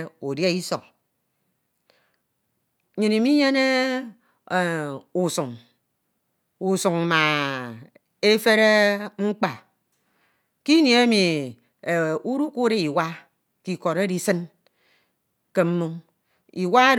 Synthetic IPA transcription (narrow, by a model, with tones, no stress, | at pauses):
o˨dje˦i˦sɔ˨k̚ | ɲɨ˨ni˨mi˦ɲe˦ne˦˨ | u˨su˨ŋ | u˨su˨ŋ˨ma˨ | e˦fe˦ɾe˦ŋ͡m̩˦k͡pa˨ | ki˦nji˨e˦mi˨ | u˦ɾu˦ku˦ɾe˦i˨wa˦ | ki˨ko˨ɾe˦di˨sɨ˦n | ke˨m̩˦mu˦ŋ | i˨wa˦e˦